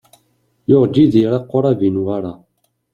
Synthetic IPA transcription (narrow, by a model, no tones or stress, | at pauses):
joʁd͡ʒiðiɾɑqːoɾˤavinwaɾa